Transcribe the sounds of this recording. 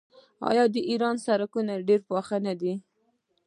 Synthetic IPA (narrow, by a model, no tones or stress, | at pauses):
ɑ̰jɑd̪əʔiɾɑnsaɾakunaɖeɾpɑxanad̪i